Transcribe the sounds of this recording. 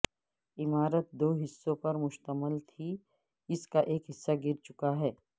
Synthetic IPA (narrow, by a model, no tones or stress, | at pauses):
ɪmaːɾət̪̚d̪oːɦɪsːõpɐɾmʊʃt̪əməlt̪ʰi | ɪskaʔeːkɦɪsːaɡɪɾt͡ʃʊkaɦɛː